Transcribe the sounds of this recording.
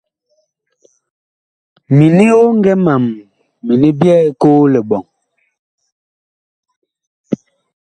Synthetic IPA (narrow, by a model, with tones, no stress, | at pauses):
mi˨ni˦o˦ŋ˦ɡɛ˦ma˨mː | i˨ni˦bjɛː˦koː˦lɛ˨bɔ˨ŋ